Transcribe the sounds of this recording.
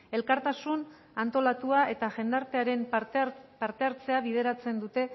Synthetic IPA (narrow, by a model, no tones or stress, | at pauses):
e̞lkaɾt̪asun | ant̪o̞lat̪uae̞t̪aʝe̞nd̪aɾt̪e̞aɾe̞m | paɾt̪e̞aɾt͡se̞aβið̞e̞ɾat͡se̞nd̪ut̪e̞